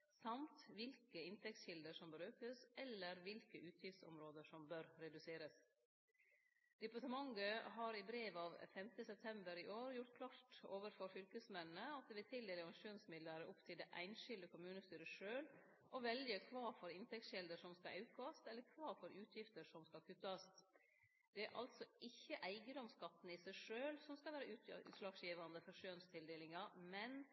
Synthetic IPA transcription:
sɑmt̪ʋɪlkəɪnt̪ʰɛktsɕɪld̪əʂɔmbəɾʉːkəsɛlːəɾʋɪlkəʔʉːt̪ʰjɪft̪sɔ̰mɾoːd̪əʂɔmbøɾɾɛd̪ʉseːɾəs | d̪̥ɛpɑʈəmɑŋɡəɦɑːɾɪbɾeːʋɑːʋfɛmt̪əsɛp̚t̪ʰɛmbəɾɪʔoːɾjʊʈt̪̚kʰlɑːʈoːʋəɾfɔɾfʏlkəsmɛnnəɑt̪̚d̪ʋɪt̪ʰɪld̪ɛːlɪɑʂuːnsmɪd̪ləɾəʔʊpt̪ʰɪlɛʔæ̰ɪnʃʏld̪əkʊmʉːnəst̪yːɾəʂøːl | ʔɔʋɛljəkʰʋɑːɾfɔɾɪnt̪ʰɛk̚t̪ɕɛld̪əʂɔmskɑɑʉkɑst̪ɛlːəɾkʰʋɑːɾfɔɾʉːt̪ʰjɪft̪əɾʂɔmskɑlkʰʉt̪ːəɑst̪ | d̪̥ɛæɾʔɑ̰lt̪sɔʔɪçːəʔæɪɡənd̪ɔmskɑt̪ːn̩ɪsæɪʂøːlsɔmskɑlʋæːɾəʔʉːt̪ʉ̰ːt̪ʂlɑːɡsjiːʋɑnd̪əfɔʂøːnst̪ʰɪld̪eːlɪŋɑmɛn

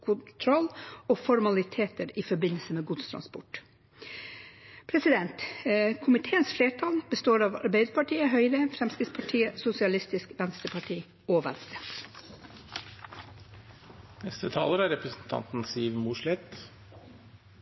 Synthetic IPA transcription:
kʰʊnt̪ʰɾɔlːoːfɔɾmɑlɪt̪ʰeːt̪əɾɪfɔbɪnəlsəmeːɡʊd̪st̪ʰɾɑ̰nspɔ̰ʈ | pʰɾɛsɪd̪ɛnt̪kʰʊmɪt̪ʰeːənsfleːʈʰɑːlbəst̪oːɾɑʋɑ̰ɾbæɪd̪əɾpɑʈʰiːəɦœʏɾəfɾɛmskɾɪt̪spʰɑʈʰiːəsʊsɪɑlɪst̪ɪskʋɛnst̪əpʰɑʈʰiː | oːʋɛ̰nst̪ɾə | nɛst̪ət̪ʰɑ̰ːləɾæɾɛpɾəsn̩t̪ʰɑ̰nt̪n̩siːʋmuʂɭɛt̪

